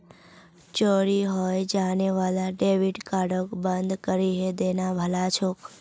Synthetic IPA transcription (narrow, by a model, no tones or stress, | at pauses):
t͡ʃoɾiɦojd͡ʒaneʋalaɖeʋiʈkaɽokbənd̪kəɾiɦed̪enabʱəlat͡ʃʰok